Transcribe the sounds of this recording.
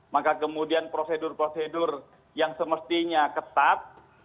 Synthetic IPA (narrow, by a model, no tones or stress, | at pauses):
makakəmudianpɾosedʊrpɾosedʊr | jaŋsəməst̪iɲakət̪at̪̚